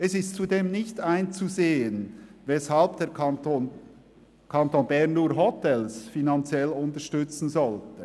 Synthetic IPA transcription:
ʔɛsɪstt͡sudeːmnɪçtaɪnt͡suzeːənvɛshɑlbd̥eːon | kʰɑntoːnbɛɐnːuːɐɦɔtɛlsfinɑnt͡sjɛlʊntəʃtʏt͡sn̩zɔltə

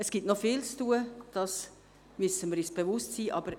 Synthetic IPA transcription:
əsɡ̥itnɔfiːlt͡stuːəd̥ɑs | mysəməɾyːsb̥evʊstsiːʔɑ̰ːb̥əɾ

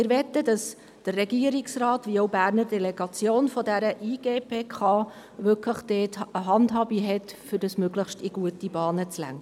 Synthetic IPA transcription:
ɪːɾʋɛt̪ːədɑs | d̥ərːɛɡiəɾiksrɑːtʋioʊbæːrnəɾdɛlɛɡ̥ɑt͡sjoːnfɔdæɾəʔiːɡ̥eːpeːkχɑː | ʋʏkləχd̥eːtəɦɑndɦɑːbiɦɛtfʏd̥ɑsmøɡləχʃtiɡuətibɑːnət͡slæ̰ŋ

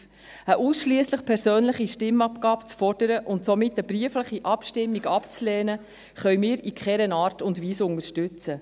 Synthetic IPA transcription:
əʔuːsʃliəsləχpʰɛɾsøːnləχiʃtɪmɑpkɑːpt͡sfɔrd̥əɾəʔʊntsɔmɪtːəbɾiəfləχiʔɑpʃtɪmːiɡɑpt͡slɛːnə | χœɥmɪːɾikχɛɾənɑːrtʊndʋiːsʊŋəɾʃtʉt͡sə

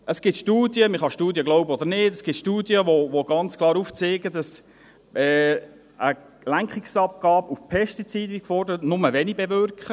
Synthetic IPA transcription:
əsɡ̥ɪtʃtuːdjəmɪχɑʃtuːdjəɡlɔʊbəɔd̪əɾnɪːd̥əsɡ̥ɪtʃtuːdjəʋoʋoɡ̥ɑnt͡skʰlˠɑːɾuːft͡seːɡədɑs | ʔɛ | ʔə | læŋkχɪksɑp̚ɡ̥ɑːbufpʰɛstit͡siːdɪkfɔɾrdəɾətnʊməʋɛnibɛvʏrkχə

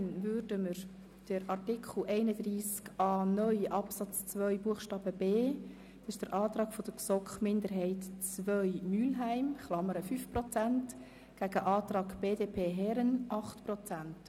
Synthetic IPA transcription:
nvʏɾdəməɾ | d̥əɾɑrtɪkχl̩ʔɛɪnəd̥riːskɑːnœʏjʔɑpsɑt͡st͡svœʏbuəχʃtɑːb̥əbeː | sɪʃd̥əɾʔɑːtrɑːɡ̥fɔd̥əksɔkχmɪndəɾɦɛɪtt͡svœʏmyːlɦæɪmχlɑməɾəfyfprɔt͡sænt | ɡ̥æɡ̥əʔɑːtɾɑːɡb̥eːdeːpʰeːɦɛɾənʔɑχtpɾɔt͡sænt

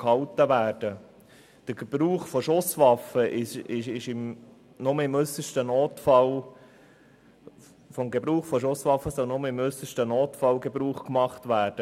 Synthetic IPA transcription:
khɑltəvæːɾd̥ə | d̥əɾɡ̥eb̥ɾuːχfɔʃʊsʋɑfəʔɪʃɪʃɪʃɪm | nʊməɪmʏsəʃtənoːtfɑl | fɔmɡebɾuːχfɔʃʊsʋɑfːəsœlnʊməɪmʏsəʃtənoːtfɑlɡebɾuːχkmɑχtvæːɾd̥ə

